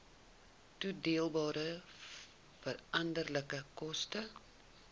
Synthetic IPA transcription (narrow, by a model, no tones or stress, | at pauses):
tudeəlˠbɑːɾə | fəɾɐndərləkəkɔstə